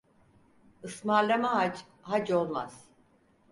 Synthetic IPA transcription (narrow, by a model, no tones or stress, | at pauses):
ɯsmaɾlʲamaɦad͡ʒ | ɦad͡ʒolˠma̰z̥